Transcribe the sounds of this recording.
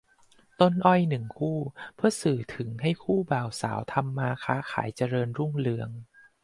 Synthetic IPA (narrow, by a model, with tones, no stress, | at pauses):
t̪o˧nʔɔ˧˩jnɯ˨˩ŋkʰuː˥˩pʰɯ˥˩ɐsɯː˨˩t̪ʰɯ˩˦ŋɦa˥˩jkʰuː˥˩baː˨˩wsa̰ː˩˦wt̪ʰa˧mːaː˧kʰaː˦˥kʰa̰ː˩˦jt͡ɕa˧ɾɤː˧nɾu˥˩ŋlɯ˧əŋ